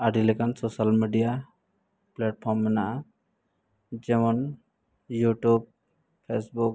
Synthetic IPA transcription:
aɖilɛkansɔsalmiɖija | plɛʈ̚pʰɔɾmːɛnaʔa | d͡ʒɛmɔn | juʈub̚ | pʰesbuk̚

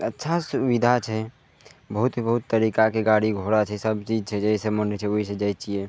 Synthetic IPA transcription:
ətːʃʰasʊʋid̪ʱat͡ʃʰɛ | bəɦut̪bəɦut̪ːəɾikakeɡaɽiɡʱoɽat͡ʃʰɛsəbt͡ʃid͡ʒt͡ʃʰɛd͡ʒəɦisemənt͡ʃʰɛoɦised͡ʒət͡ʃie

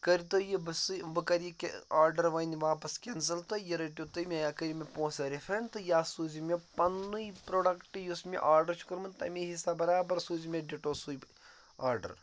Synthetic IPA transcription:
kɐɾit̪ojibsɨbɨkɐɾikḛaːɾɖɐɾʋɐjnʲiʋaːpɐskʲens̬ɐlt̪ojɐɾɐʈʲit̪ɨjmʲeakɐɾimʲepõːsɐɾifɐnt̪ɨjaːsuːzimʲepɐnːujpɾoːɖɐkʈɨjusmʲḛʔaːɾɖɐɾt͡ʃʰu̥kɐɾmɨnt̪ɐ̰mʲiɦisabɐɾaːbɐɾsuːzimʲeɖiʈoːsuj | aːɾɖɐ̰ɾ

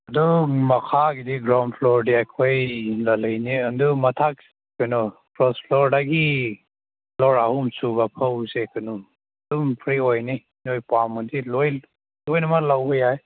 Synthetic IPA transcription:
adɔmakʰaɡidiɡɾawnpʰlɔɾdiajkʰɔjlaləjniəndumatʰak̚ | kɔjnɔpɾɔspʰlɔɾdaɡi | lɔɾahumsubapʰəwsekʰɯnum | dumpʰɾiɔjni | nɔjpamɯdilɔj | lɔjnamalawbəjaj

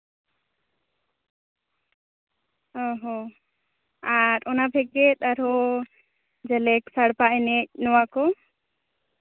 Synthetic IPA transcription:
ɔɦɔ | aɾɔnabʱɛɡɛt̪̚aɾɔ | d͡ʒɛlɛksaɽpaʔɛnɛc̚ˀnɔwakɔ

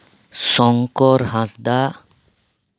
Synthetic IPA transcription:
sɔŋkɔɾɦãsd̪a

